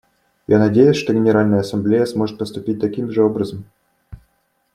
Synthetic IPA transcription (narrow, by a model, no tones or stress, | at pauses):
janɐdʲejʊsʲʂt̪o̞ɡʲɪnʲɪɾalʲnəjəɐsɐmblʲejəsmo̞ʐɨt̪̚pəst̪ʊpʲit̚ʲt̪ɐkʲimʐɨo̞bɾəzəm